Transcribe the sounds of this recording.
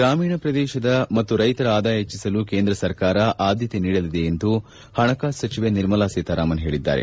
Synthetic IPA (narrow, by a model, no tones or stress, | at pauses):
ɡɾaːmiːɳɐpɾɐd̪ɛːʃɐd̪ɐmɐt̪ːuɾɐjt̪ɐɾɐaːd̪aːjɐɦet͡ʃːisɐlukeːnd̪ɾɐsɐɾkaːɾɐʔaːd̪ʱjɐt̪eniːɽɐlid̪e̞ːnd̪u | hɐɳɐkaːsɐt͡ʃiʋeniɾmɐlaːseːt̪ɐɾaːmɐnɦe̞ːɭid̪ːa̰ːɾḛ